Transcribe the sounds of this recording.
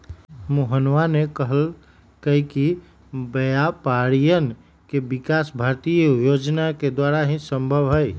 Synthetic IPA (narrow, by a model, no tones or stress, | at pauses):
moɦənʋanekəɦəl | kəiki | bəjapaɾijən | kebikasbʱaɾt̪ijəjod͡ʒnaked̪waɾaɦĩsəmbʱəbɦəj